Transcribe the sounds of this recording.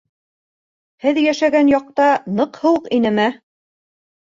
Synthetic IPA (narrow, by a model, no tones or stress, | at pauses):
hɘðjæʃæɡænjɑq̚t̪ɑnɤqhɤ̆wɤqinɘmæ